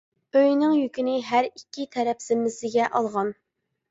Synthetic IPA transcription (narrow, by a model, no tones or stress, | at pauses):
øjnɪŋjykʲinɪɦæɾikʲʰːit̪ʰɛɾɛpsɪmːɪsɪɡʲɛʔɑlˠʁɑn